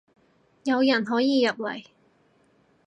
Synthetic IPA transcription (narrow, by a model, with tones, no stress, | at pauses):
jɐ˨˧wjɐ˨˩nɦɔː˨˥jiː˨jɐ˨p̚lɐ̰˨˩j